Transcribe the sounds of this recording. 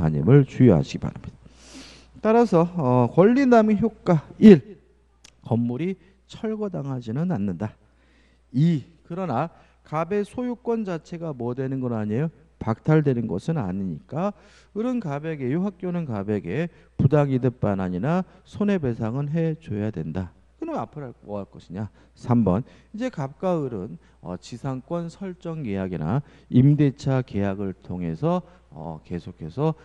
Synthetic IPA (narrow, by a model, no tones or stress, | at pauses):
a̰ɲḭmɯɭt͡ɕujʌɦa̰ɕʰiɡiba̰ɾamɲid̥a | t͈aɾasʰʌːkwʌʎːinamiçjok̚k͈aiɭ | kʌmːuɾi | t͡ɕʰʌɭɡʌdaŋɦad͡ʑinɯnanːɯnda | ikɯɾʌna | kabe̞sʰojuk͈wʌnd͡ʑat͡ɕʰe̞ɡamwʌdwe̞nɯnɡʌnaɲejo | pak̚tʰaɭdwe̞nɯnɡʌ̰sʰɯna̰ɲiɲik͈a | ɯɾɯnkabe̞ɡe̞juɦak̚k͈jonɯnkabeɡe̞ | pudaŋidɯp͈anaɲinasʰone̞be̞sʰaŋɯnɦe̞t͡ɕojadwe̞nda | kɯnʌnapʰɯɾaʌaɭk͈ʌɕʰiɲa | sʰambʌnid͡ʑe̞kap̚k͈aɯɾɯn | ʌ̰t͡ɕisʰaŋk͈wʌnsʰʌɭt͡ɕ͈ʌŋkejaɡina̰ | imde̞t͡ɕʰake̞jaɡɯɭtʰoŋɦe̞sʰʌ | ʌ̰ke̞sʰokʰe̞sʰʌ